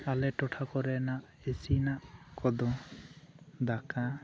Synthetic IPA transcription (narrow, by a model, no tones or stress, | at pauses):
alɛʈɔʈʰakɔɾɛnaʔ | esinaʔkɔd̪ɔ̃ | d̪aka